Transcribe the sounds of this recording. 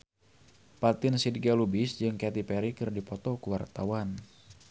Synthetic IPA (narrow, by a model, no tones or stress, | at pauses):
pat̪ɪnsidɡalubɪsd͡ʒɨŋkɛt̪ipɛɾikɨrdipɔt̪ɔkəwart̪awan